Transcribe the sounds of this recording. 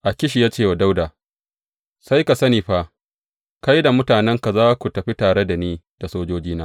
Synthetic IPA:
ʔa˨kʲɪ˦ʃ̬i˨jaː˦t͡ʃeː˦˨wa˨da˦wdaː˨ | sa˦jka˨sɐ˦niː˨ɸa˦ʔ | ka˦jda˨mʊ˦taː˨nɛ˦ŋka˨zaː˦kʷu˨tɐ˨ɸi˦taː˨ɽe˦da˨niː˦ | d̥a˨soː˦d͡ʒoː˦d͡ʒiː˦naː˦

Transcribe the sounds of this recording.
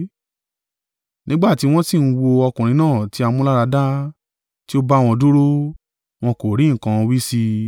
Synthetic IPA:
nʔĩ˦ɡ͡ba˦˨ti˨˦w̃ɔ̃˦si˦˨n̩˦˧wo˧ɔ˧kũ˨ɾ̃ĩ˨˦nãː˦˨ti˨˦a˧mũ˦la˦ɾa˧da˦ | ti˦o˦ba˦˨w̃ɔ̃˧du˦ɾo˦ | w̃ɔ̃˧ko˨ɾĩ˨˦ŋ̩˨kã˧wi˦si˧

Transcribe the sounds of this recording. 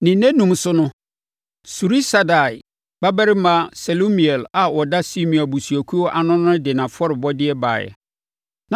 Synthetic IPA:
nɪ̃˨nɛ̃˦nũ˨msʊ˦nʊ̃˦ | su˨ɾi˦sa˨da˨ɪ˨ | ba˦bæ˦ɾɪ˦mã˦sɛ˨lo˦mĩ˨ɛ˨la˨wɔ˨da˦si˦mĩ˨a˨bu˨su˨ɔ˨kʰu˦ɔ˦ʔa˨nʊ̃˦n˦dɪ˨nã˨fɔ˦ɾɪ˨bɔ˦dɪ˦ɛ˦ba̰ː˨jɛ̰˨ | nã˨

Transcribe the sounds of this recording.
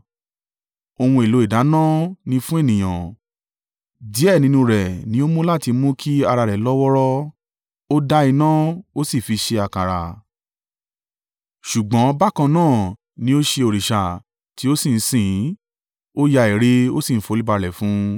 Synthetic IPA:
o˧w̃ũ˧e˨lo˨˦i˦˨da˨˦nã˦˨nĩ˧fũ˦e˦˨nĩ˨j̃ã˨ | di˨˦ɛ˦˨nĩ˧˦nũ˧ɾɛ˨nĩ˨˦o˦mũ˦la˦˨ti˧mũ˦kʰi˦a˧ɾa˧ɾɛ˨lɔ˦wɔ˦ɾɔ˦ | o˦da˦i˧nã˦o˦si˦˨fi˧ʃe˧a˧˨ka˨ɾa̰˨ | ʃu˨ɡ͡bɔ̃˨˦ba˦kã˧nãː˦˨ | nĩ˦o˦ʃe˧o˨ɾi˨ʃa˨ | ti˨˦o˦sĩ˦˨n̩˦sĩ˦˨˦ | o˦ja˧i˨ɾe˦o˦si˦˨n̩˦fo˧˦i˦ba˧lɛ˨fũ˨˦

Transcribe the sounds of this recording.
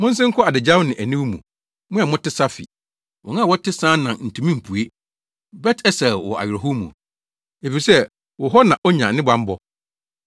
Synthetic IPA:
mʊ̃˦n̩˦sɪ̃˦ŋ̩˦kʰɔ˦a˨dɪ˨d͡ʑa˦wnɪ̃˨ʔæ˨nĩ˦wu˦mṵ̃˨ | mʊ̃˦a˨mʊ̃˦tɪ˦sa˦fḭ˨ | wʔɔ̰˨ŋã˦˨wɔ˦tʰɪ˦sãː˦nã˨nn̩˨tʰũ˨mĩ˦m̩˨pʰu˨e˦ | bɛ˦tʰɛ˦sɛ˨wɔ̰˨a̰˨ɥɪ˨ɾɔ˨ɦʊ˦mːṵ̃˨ | e˨fi˨ɾi˨sɛ˦ | wɔ˨ɦɔ˦nã˨ʔɔ˦ɲã˨nɪ̃˦bã˦m˦bɔ˦

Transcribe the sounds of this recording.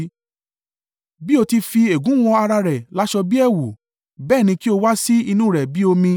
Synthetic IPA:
bi˦o˧ti˧fi˧e˨ɡũ˨˦w̃ɔ̃˧a˧ɾa˧ɾɛ˨la˨˦ʃɔ˧bi˦ɛ˦˨wu˨ | bɛː˦˨nĩ˧ki˦o˧wa˦si˦i˧nũ˦˨ɾɛ˨bi˦o˧mĩ˧

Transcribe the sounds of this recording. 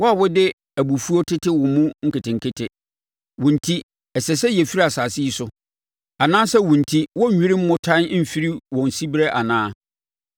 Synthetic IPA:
wɔ˦a˨wʊ˦dɪ˦ | æ˨bu˨fu˦o˦tʰɪ˦tʰɪ˦wʊ̃˨mũ˦ŋ̩˦kɪ˨tɪ̃˨ŋ˨kʰɪ˦tʰɪ˨ | wʊ̃˨n̩˨tʰi˦ | ɛ˨sɛ˨s̬ɛ˦jɛ˨fi˦ɾi˦a˨saː˨sɪ˦i˦sʊ˨ | a˨nãː˦sɛ˦wʊ̃˨n̩˨tʰi˦wɔ˦ɲ̩ᶣ˨ĩ˦ɾɪ̃˦m̩˦mʊ̃˦tʰã˦n˦m̩˦˨fi˦ɾi˦wɔ̃˨n˨si˦bɾɛ˦ʔa˨nãː˦

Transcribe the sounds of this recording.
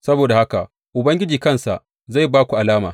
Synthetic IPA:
sɐ˦boː˨da˨ha˦ka˨ | ʔʊ˨bɐ˦ŋɡʲɪ˦d͡ʒiː˨kɐ˦˨nsa̰˨ʔ | za˦˨jbaː˦kʷu˨ʔa˨laː˦maː˨

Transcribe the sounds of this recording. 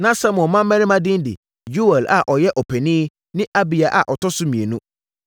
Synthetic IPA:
nã˦sa˦mɔ̃˨mã˦m˦mɛ̃˦nɪ̃˦mã˦dɪ̃˦n˦dɪ̰˨ | ju˦ɛ˨la̰˨ʔɔ˨jɛ˦ʔɔ˨pʰɛ˨nĩ˦ | nɪ̃˦ʔa˦bi˨a˨ʔa̰˨ʔɔ˨tɔ˦sʊ˦mĩ˨e˨nũ˦

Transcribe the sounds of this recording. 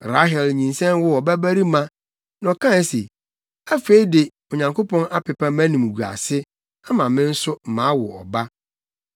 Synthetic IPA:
ɾa˦ɦɛ˨lɲĩ˨nsɛ̃˦nwʊ˦ɔ˨bæ˦bæ˦ɾi˦mã˦ | nɔ̃˨kʰã˦n˦sḛ˨ | a˦fe˦i˦dɪ˨ | o˨ɲã˨ŋkʰo˦pʰɔ̃˦na˦pʰɪ˨pʰa˦mæ̃˦nĩ˨m˨ɡu˨a̰˨sɪ˦ | a˦mã˨mɪ̃˦n̩˦sʊ˦m̩˨mã˨˦wʊ̰˨ɔ̰˨ba˦

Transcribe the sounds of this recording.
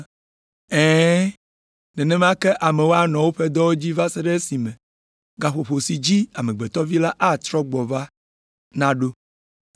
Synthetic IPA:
ɛ̃ː˦ | nɛ̃˨nɛ̃˦m˦ã˦kɛ˦ʔa˨mɛ˨wo˦a˦nɔ̃˨wo˦ɸe˦d̪ɔ˦wo˦d͡ʑi˦va˦se˦ɖe˦si˨mɛ̃˨ | ɡa˨ɸo˨ɸo˨si˨d͡ʑi˦a˨mẽ˨ɡ͡bɛ˨t̪ɔ˦vi˦la˦ʔa˦t̪ɾɔ˦ɡ͡bɔ˨va˦ | nã˦ɖo˦

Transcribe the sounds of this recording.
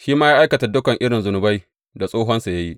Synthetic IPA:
ʃiː˦maː˦ja˦ʔa˦jkɐ˨ta˨dʊ˦kɐ˨ŋʔɪ˦ɽɪ˨nzʊ˨nʊ˨ba˦j | da˨sʼoː˦ɦɔ˦nsa˨ja˦ji˦ʔ

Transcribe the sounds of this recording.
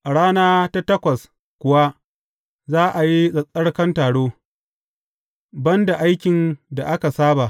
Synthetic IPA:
ʔa˨ɽaː˦naː˦ta˦tɐ˦kʷɐ˨s | kʷʊ˨wa˦ | zaː˦ʔa˨ji˦sʼɐ˨sʼɐ˦ɽkɐ˦ntaː˨ɽoː˦ | bɐ˦nda˨ʔa˦jkʲɪ˨nda˨ʔa˦ka˨saː˦ba˨ʔ

